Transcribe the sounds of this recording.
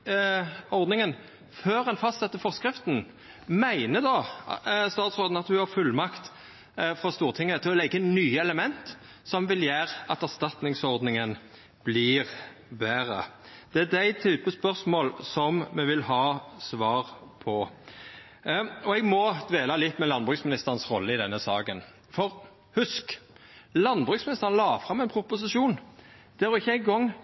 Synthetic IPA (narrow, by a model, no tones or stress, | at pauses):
ɔɾd̪nɪŋən | føːɾɛnfɑst̪sɛt̪ːəfɔʁskɾɪft̪n̩ | mæɪnəd̪ɑ | st̪ɑːt̪sɔɾd̪n̩ɑt̪hʉhɑɾfʉlmɑkt̪ | fɾɔst̪uːʁt̪ʰɪŋːət̪ʰɪɔlɛɡːənyːəɛləmɛnt̪ | sɔmʋɪljæːɾɑt̪æʁst̪ɑt̪nɪŋsɔʁd̪nɪŋən | b̥lɪɾ | beːɾə̰ | d̪̥ɛæd̪æɪt̪ʰyːpəspœʁsmoːlsɔmmɛʋɪlhɑːsʋɑːʁpʰɔ | ɔɛɡmɔd̪̥ʋeːlɑlɪt̪ːmɛlɑnbʁʉːksmɪnɪst̪əʁnsʁɔlːəɪd̪ɛnːəsɑːkən | fɔʁ | hʉsk | lɑnbʁʉksmɪnɪst̪əʁənlɑːfɾʁɑmɛɪnpʰɾʊpʊs̬ɪʃuːn | d̪̥ɛæʁɔɪçːəæɪɡɔŋː